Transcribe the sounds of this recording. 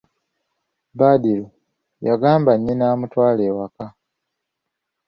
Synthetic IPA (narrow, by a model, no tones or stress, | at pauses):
baːdilu | jaɡaːmbaɲːinaːmutwaːleːwaka